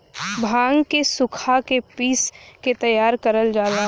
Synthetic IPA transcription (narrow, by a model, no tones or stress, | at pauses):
bʱãːŋɡkesʊkʰakepiːsket̪ɐjaːɾkəɾəld͡ʒaːlaː